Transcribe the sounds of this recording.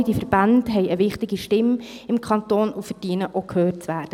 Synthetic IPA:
d̥ifəɾb̥andɦɛɪəʋɪχtɪɡiʃtɪmɪmkʰɑnt̪oːnufəd̥iənəʔokʰhøːt͡sʋæːɾd̥ə

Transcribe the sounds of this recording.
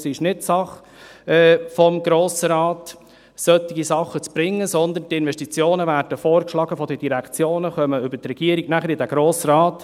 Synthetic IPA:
sɪʃnɪtsɑχ | ɛːfɔmɡ̥ɾoːsəɾɑːt | sœt̪ːɪɡisɑχːət͡sb̥ɾɪŋːəsɔnd̪ənt̪ɪnvɛʃtit͡sjoːnəvæːɾd̥əfɔːɾkʃlɑːɡəfɔd̪əd̥iɾækt͡sjoːnəχœməʏbətrɛɡ̥iəɾiɡnæχəɾidæɡ̥ɾoːsɾɑːt

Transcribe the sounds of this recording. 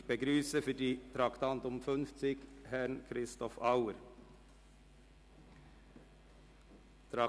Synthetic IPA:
b̥əɡɾyːsəfœɖiːt̪ʰɾɑkt̪ɑnt̪ʊmfœnft̪ɪɡ̥hæɳkʰɾɪst̪ɔfɑʊəɾ | t̪ʰɾɑ

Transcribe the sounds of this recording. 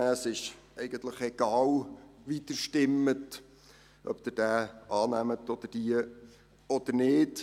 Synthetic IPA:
æːsɪʃ | ɛɪɡ̥ənt̪ləχɛɡ̥ɑːlʋit̪əɾʃtɪmːət | ʔœpd̥̪ɪɾd̥æːʔɑːnæmətɔd̥̪əd̥iə | ɔd̥̪əɾnɪːt

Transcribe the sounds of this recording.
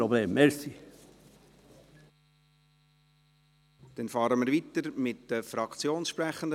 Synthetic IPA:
obleːmmeɾsi | d̥ɛnfɑːɾəmɪɾʋit̪əɾmɪtd̥əfɾɑkt͡sjoːnsʃpɾæχənd

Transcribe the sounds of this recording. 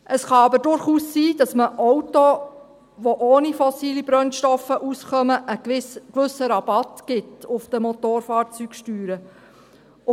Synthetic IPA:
ʔəsχɑɑbədʊɾχuːsːiːd̥ɑsməʔɔwto | ʋoʔoːnifɔsiːlibɾœnʃtɔfəʔusχœməʔəkʋʏsəɾɑb̥ɑtkɪtʊfd̥əmot̪oːɾfɑːɾt͡syːkʃtyːɾə

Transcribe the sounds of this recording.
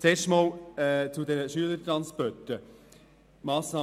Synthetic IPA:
t͡seːʃtmɑːlɛt͡sud̪ɛnəʃyələɾtɾɑnspœtə | mɑːsnɑː

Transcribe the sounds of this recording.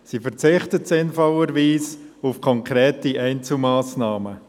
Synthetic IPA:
sifəɾt͡sɪχtətsɪnfɔləɾʋiːsufkʰɔŋkʁɾɛːtiʔɛɪnt͡sl̩mɑːsnɑːmə

